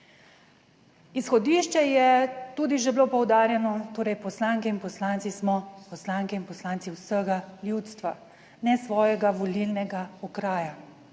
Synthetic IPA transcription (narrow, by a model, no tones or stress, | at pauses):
isxɔd̪iːʃt͡ʃɛjɛt̪uːd̪iʒɛblopɔwd̪aːɾjɛnɔt̪oːɾɛjpɔslaŋkɛinpɔslaːnt̪ismɔpɔslaŋkɛinpɔslaːnt̪siwsəɡaljut̪st̪ʋa̰ | nɛsʋɔːjɛɡaʋɔlilnɛɡaɔkɾaːja